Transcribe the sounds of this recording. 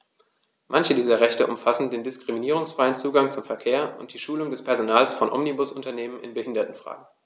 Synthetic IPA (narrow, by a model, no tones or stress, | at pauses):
mʔançədiːzɐʁɛçtəʔʊmfasn̩deːndɪskʁ̥iminiːʁʊŋsfʁ̥aɪənt͡suːɡaŋt͡sʊmfɛɐkʰeːɐʔʊ̰nt̚d̥iːʃuːlʊŋdɛspʰɛɐzonaːlsfɔnʔɔ̰mnibʊsʊntɐneːmənʔɪ̰nbəhɪndɐtn̩fʁ̥a̰ːɡŋ̩